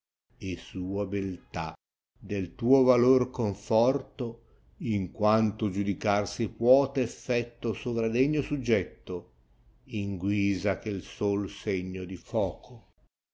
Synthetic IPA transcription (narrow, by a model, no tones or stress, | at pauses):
esuːabelt̪a̰ | d̪elt̪uːovalorkoɱfɔrt̪o | iŋkwant̪od͡ʒud̪ikarsipwɔːt̪eːfːɛt̪ːosovɾad̪ɛɲːosud͡ʒːɛt̪ːo | iŋɡwiːzakelsolseɲːod̪ifɔːkʰo